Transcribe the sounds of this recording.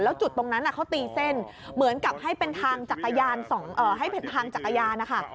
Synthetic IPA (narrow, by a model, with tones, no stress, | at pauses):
lɛː˦˥wt͡ɕu˨˩t̪ːo˧ŋna˦˥nʔa˨˩kʰa˦˥wt̪iː˧se˥˩n | mɯ˩˦ənka˨˩p̚ha˥˩jpe˧nt̪ʰaː˧ŋt͡ɕa˨˩kːa˧jaː˧nsɔ˩˦ŋʔːɦa˥˩jpe˧nt̪ʰaː˧ŋt͡ɕa˨˩kːa˧jaː˧nːa˦˥kʰa˥˩